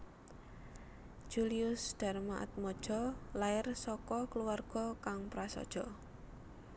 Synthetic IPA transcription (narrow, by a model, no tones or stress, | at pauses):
ʒ̥uliʊsd̪̥a̤rmaʔa̰t̪̚mɔd̥ʒ̥ɔ̤laɪrsɔkɔkluarɡ̥ɔ̤kaŋpɾasɔ̰d̥ʒ̥ɔ